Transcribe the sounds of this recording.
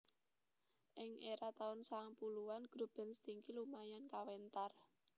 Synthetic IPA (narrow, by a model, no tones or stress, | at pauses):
ʔɪŋʔeɾat̪aʊnsaŋpuluwanɡ̥ɾo̤b̥ɛ̤nst̪iŋkilumajankawent̪ar